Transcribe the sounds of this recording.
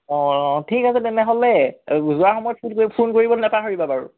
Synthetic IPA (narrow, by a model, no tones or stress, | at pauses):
ɔ̃tʰikasɛtɛnɛɦolɛuzʊaɹxɔmɔjɔt̚pʰunkpʰunkoɹibɔnɛpaɦoɹibapaɹṵ